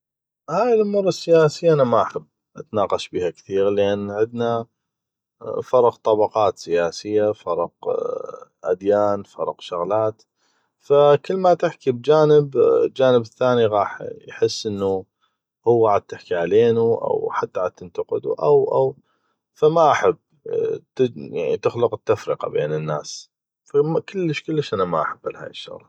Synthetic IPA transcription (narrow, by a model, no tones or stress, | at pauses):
haːjɪlʔʊmurˤːɑsːɪjaːsɪjːaʔanamaħabː | ʔat̪nɑːqɑʃbiːhakθiːɾlʔɪnːʕɪd̪na | fɑɾˤɑqt̪ˤɑbɑqɑːt̪sɪjaːsɪjːafɑɾˤɑq | ʔad̪jaːnfɑ̰ɾˤɑ̰qʃʊɣlaːt̪ | fakəlːmat̪ɪħkib̚d͡ʒaːnɪbld͡ʒaːnəbɪθːaːniɣɑːħjħɪsːʔɪnːu | hʊwːaʕad̪̚t̪ɪħkiʕaleːnuʔa̰wħat̪ːaʕad̪̚t̪ɪnt̪ɑqɨd̪ṵʔa̰wʔa̰w | famaʔaħabː | t̪ja̰ʕnḭt̪ɪxlʊqɪt̪ːafɾɪqɑ̰beːnənːa̰ːs | famakəlːəʃkəlːəʃʔanamaʔaħabːalha̰ːjəʃːʊ̰ɣla